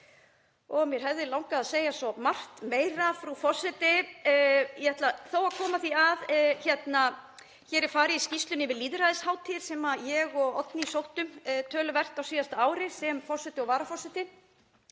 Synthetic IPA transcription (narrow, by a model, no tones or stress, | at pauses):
ɔɣmjɛɾ̥ɦɛvðɪlawŋkaaðseːjasɔmar̥t̪meːjɾafɾufɔsɛt̪ɪ | jɛhɛt̪laθowaðkʰɔːmaθiaðçɛt̪na | çɛːɾɪɾfaːɾɪiscist̪lʏnɪvɪðliːðɾaðɪshaːwt̪ʰiɾ̥sɛːmajɛɣɔɣɔt̪nɪisowht̪ʏmt̪ʰœːlʏvɛr̥t̪awsiːjast̪aaːwɾɪsɛmfɔsɛt̪ɪɔvaːɾafɔsɛt̪ɪ